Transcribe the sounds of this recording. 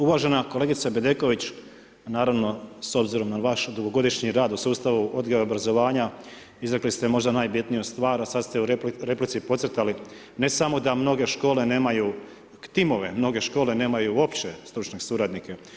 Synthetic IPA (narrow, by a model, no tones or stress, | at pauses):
uʋaʒe̞nakoleɡit̪sabe̞d̪e̞ko̞ʋit͡ɕ | naːɾaʋno̞so̞bziɾo̞mnaʋaʃd̪uɡo̞ɡo̞d̪iʃɲiɾaːd̪usuːst̪aʋuʔo̞d̪ɡaʋeobɾazo̞ʋaːɲa | izɾe̞klist̪emo̞ʒd̪anaːjbit̪nijost̪ʋaːɾasad̪st̪euɾeɾe̞plit̪sipo̞t̪set̪ali | ne̞samo̞d̪amno̞ɡe̞ʃko̞ːle̞ne̞ːmaju | t̪imo̞ʋe̞mno̞ɡe̞ʃko̞ːlene̞ːmajuo̞pt͡ɕest̪ɾut͡ʃnesuɾad̪nike